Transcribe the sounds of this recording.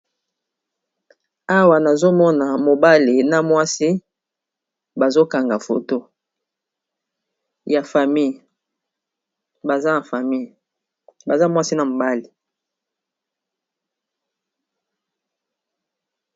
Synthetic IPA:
a˦wa˨na˨zo˦mɔ˦na˨mo˨ba˦le˨na˦mwa˦si˦ | ba˨zo˦ka˨ŋɡa˨fo̰˨to˦ | ja˨fa˨mi˦˨j | ba˨za˦na˨fa˨mi˦˨j | ba˨za˦mwa˦si˦na˨mo˨ba˦le˨

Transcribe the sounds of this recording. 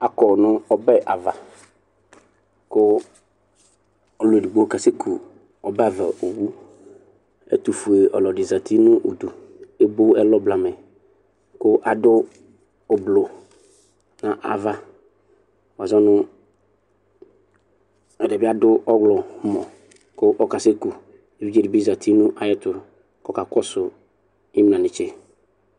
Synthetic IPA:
a˦kɔ˨nʊ̃˦ɔ˦bɛ˦ʔa˨va˨ | kʊ˦ | ɔ˨lʊ˨di˨ɡ͡bo˦o˦ka˦se˦kʰu˨ | ɔ˨bɛ˦a˨vɛ̰˨o˨wu˦ | ɛ̰˦t̪u˨fu˨e˨ʔɔ̰˨lɔ˨dɪ˨za˨t̪i˦nʊ̃˦ʔo˨du˨e˦bʊ˦ɛ˦lɔ˦bla˨mɛ˨ | kʊ˦ʔa˨dʊ˦ | ʊ˨blo˨ | nã˨ʔa̰˨va˦ | wa˨zɔ˦nʊ˦ | ɛ˨dɪ˨bɪ˦a˦dʊ˦ʔɔ˦ɡlɔ˨mɔ˨ | kʊ˦ʔɔ˦ka˨se˦ku˨ | e˨vi˦d͡ʒe˦dɪ˨bi˦za˨tʰi˦nʊ̃˦ʔa˨jɛ˦tʊ˨ | kɔ˦ka˨kɔ˦sʊ˨ | ɪ˦m˨ã˨nɪ̃˨t͡ʃɪ˦

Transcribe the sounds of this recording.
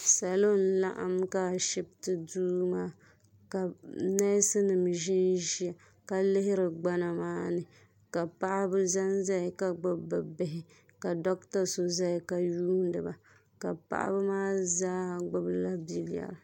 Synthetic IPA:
sa˨lo˦n̩˦la̰˦ʔa̰˨mka˨ʃɪ˦b̚tɨ˨duː˦maː˦ | ka˨na˦sɨ˦nɨ˨m˨ʒɪ˦nʒi˦a˨ | ka˦lɪ˦ɦɪ˦ɾɨ˨ɡ͡ba˦na˨maː˦nɨ˨ | ka˨pa˦ʔa˦bɨ˦za˦nza˦ɪ˨ka˦ɡ͡bʊ˦bɨ˨bɪ˨ɦɪ˨ | ka˨dɔ˦k̚ta˦so˨za˦ɪ˨ka˨juː˦n˦dɨ˨ba˨ | ka̰˨pa̰˦ʔa̰˦bɨ˦maː˦zaː˦ɡ͡bʊ˦bɨ˦la˦bi˦lja̰˨ɾ

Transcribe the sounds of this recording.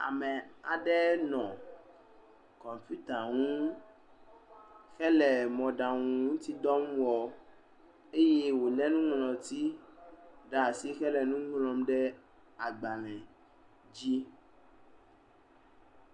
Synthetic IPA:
a̰˨mɛ˨a̰˨ɖɛ˦nɔ̃˨ | kɔ̃˨m˨fu˦t̪a˨ŋũ˦ | xɛ˦lɛ˨mɔ̃˨ɖa˨ŋũ˨ŋũ˦t̪i˦d̪ɔ˦mwɔ˨ | e˦je˦wo˨lɛ˦nũ˦ŋlɔ̃˨t̪i˦ | ɖa˨si˦xɛ˦lɛ˨nũ˦ŋlɔ̃˨mɖɛ˦ | a˨ɡ͡ba˨lɛ̃˨ | d͡ʑi˦

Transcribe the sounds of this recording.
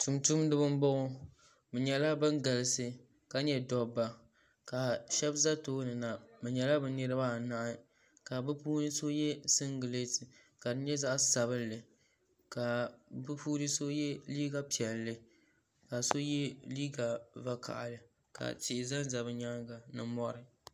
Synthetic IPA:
tu˨mtu˦mdɨ˦bɨ˦m˦bɔ˦ʔʊ˦ | bɨ˨ɲɛ˨la˦bɨ˦ŋɡa˨lɨ˦sɨ˦ | ka˨˦ɲɛ˦dɔ˨bːa˨ | ka˨ʃɛ˦bza˦toː˦nɨ˨na˨mɨ˨ɲɛ˨la˦bɨ˦nɨ˦ɾɨ˦ba˦˨na˦ʔa˦ | ka˨bɨ˦puː˦nɨ˦so˦jɛ˦sɨ˦ŋɡɨ˨le˦tɨ˨ | ka˨dɨ˦ɲɛ˦za˦ʔsa˨βɨ˦lːɨ˨ | ka˨bɨ˦puː˦ɾɨ˦so˦jɛ˦liː˦ɡa˦pi˨ɛ˨lːɨ˨ | ka˨so˦jɛ˦liː˦ɡa˨va˦kʰa̰˨ʔa̰˨lɨ˨ | ka̰˨tɪ˦˨ɪ˨za˦n˦za˨bɨ˦ɲa˦ŋɡa˨nɨ˨mɔ˦ɾɨ˨

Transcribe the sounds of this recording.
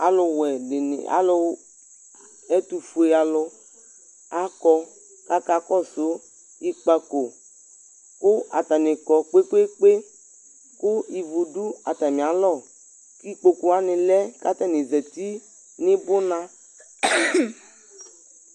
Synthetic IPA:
a˨lʊ˧wɛ˨ɪ˨n̰˨a̰˨˦lʊ˦ | ɛ˦tu˨fu˨e˨a˨lʊ˧ | a˦kɔ˧ | ka˦ka˦kɔ˦˨so˨˦ | i˦k͡pa˧ko˨ | kʊ˦a˨t̪a˨nɪ˨kɔ˨k͡pe˦k͡pe˦k͡pe˦ | kʊ˦i˨vu˨du˦a˨ta˨mĩ˨a˨˦lɔ˦˨ | ki˦k͡po˧ku˦a˦nɪ̃˨lɛ˦ka˦t̪a˦˨nɪ˨zɛ˨ti˦ | nɪ˦bʊ˦nã˦

